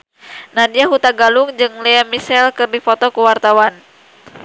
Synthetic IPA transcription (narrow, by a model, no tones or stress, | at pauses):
nadiaɦut̪aɡaluŋd͡ʒɨŋlɛamisɛlkɨrdifɔt̪ɔkuwart̪awan